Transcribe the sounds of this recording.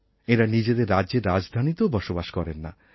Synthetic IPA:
eɾanid͡ʑed̪eɾːadeɾːad͡ʑd̪ʱanit̪obɔʃobaʃkɔɾenːa̰

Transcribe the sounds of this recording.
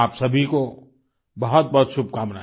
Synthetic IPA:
aːpsɐbʱiko | bɐɦʊt̪̚bɐɦt̪sʊb̚ʱkaːmna

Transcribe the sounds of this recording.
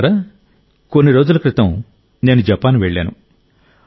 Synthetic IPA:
ɾɐ | konːiɾo̞ːd͡ʒulɐkɾɪt̪ɐm | ne̞ːnud͡ʒɛpaːnʋeɭːa̰ːnṵ

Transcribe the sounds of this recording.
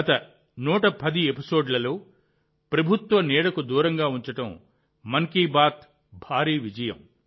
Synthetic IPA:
ɐt̪ɐ | nuːʈɐpɐd̪iepiso̞ːɖlɐlo̞ː | pɾɐbʱut̪ʋɐnɛːɽɐkud̪uːɾɐŋɡaːuɲt͡ʃɐʈɐm | mɐŋkiːbaːt̪̚ | bʱaːɾiːʋid͡ʒɐjɐ̰m

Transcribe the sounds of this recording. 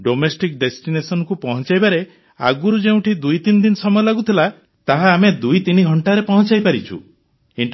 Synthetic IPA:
ɖomesʈik̚ɖesʈinesɔnɔkupɔɦɔt͡ʃajbaɾe | a̰ɡuɾud͡ʒeũʈid̪ujt̪inɔd̪inɔsɔmɔjɔlaɡut̪ʰila | t̪aɦaːmed̪ujt̪iniɡʱɔɳʈaɾepɔɦɔ̃t͡ʃajpaɾit͡ʃʰṵ | iɳ

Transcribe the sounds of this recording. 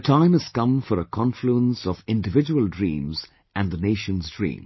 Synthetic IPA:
ətʰãɪ̃mɨz̥kʌ̃mfɔɾəkʰɑ̃nfluə̃nsɔvɪ̃ndɨvɪd͡ʒəwəldɹḭ̃ːmz | ʔɨ̃nðəneɪʃə̃nzdɹḭ̃ːm

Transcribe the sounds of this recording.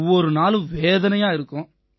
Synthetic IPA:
ʋːɔɾɯnaːlɯ̃ʋeːðɐnɐjaːɪɾɯkːʊ̃

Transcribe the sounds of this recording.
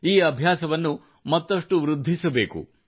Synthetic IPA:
iːɐbʱjaːsɐʋɐnːu | mɐt̪ːɐʂʈuʋɾud̪ʱːisɐbe̞ːkṵ

